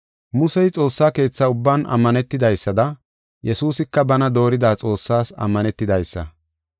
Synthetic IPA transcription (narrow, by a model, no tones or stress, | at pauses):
mʊsɛjt͡sʼo̞ːsːaːke̞ːt͡sːaʊbːaːnɐ̰mːɐnɛt̪ːɪd̪ɐjsːɐd̪ɐ | jɛsuːsɪkːɐbɐnɐd̪o̞ːɾɪd̪aːt͡sʼo̞ːsːaːsɐ̰mːɐnɛt̪ːɪd̪ɐjsːɐ̰